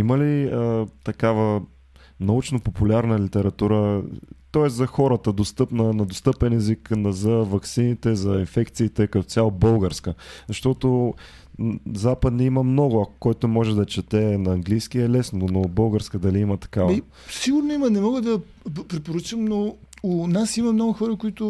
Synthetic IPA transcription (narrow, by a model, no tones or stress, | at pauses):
iməliət̪ɐkavə | nɐut͡ʃnopopulʲaɾnəlit̪ɛɾɐt̪uɾət̪ɔɛszɐxɔɾət̪əd̪ost̪ɤpnənɐd̪ost̪ɤpɛnɛziknzɐvɐksinit̪ɛzɐinfɛkt̪siːt̪ɛkɐt̪ɔ̥t̪sʲjalˠobɤlˠɡəɾskəzɐʃt̪ɔt̪o | zapəd̪niiməmnɔɡʊɐkʊ̥kɔjt̪omɔʒɛd̪ɐt͡ʃɛt̪ɛnɐːŋɡlijskiɛlɛsnonobɤlˠɡəɾskəd̪ɐliimɐt̪ɐ̥kav | siɡʊɾnoimənɛmɔɡəd̪ɐ | pɾɛpoɾət͡ʃəmno | ʊnasimɐmnɔɡʊxɔɾəkoit̪ʊ